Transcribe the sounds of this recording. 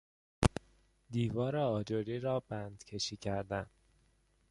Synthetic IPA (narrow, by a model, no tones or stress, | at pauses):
d̪iːvɒːɾeɒːd͡ʒoɾiːɾɒːbænd̪̥cʰe̞ʃiːcʰæɾd̪æn